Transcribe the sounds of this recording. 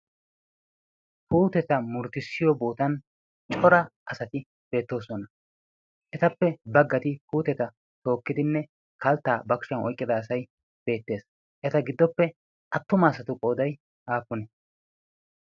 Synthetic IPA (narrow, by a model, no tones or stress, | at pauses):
puːt̪ɛt̪ɐmʊɾt̪ɪsːɪjɔbo̞ːt̪ɐn | t͡ʃʼɔɾɐʔɐsɐt̪ɪ | b̥e̞ːt̪ːo̞ːsɔnɐ | ʔɛt̪ɐpːɛbɐɡːɐt̪ɪpuːt̪ɛt̪ɐ | t̪o̞ːkːɪd̪ɪnːɛ | kɐlt̪ːaːbɐkʊ̥ʃɐnɔ̰jkʼːɪd̪ɐːsɐj | b̥e̞ːt̪ːe̞ːs | ʔɛt̪ɐɡɪd̪ːɔpːɛ | ʔɐt̪ːʊmɐːsɐt̪ʊkʼo̞ːd̪ɐj | aːfʊnɛ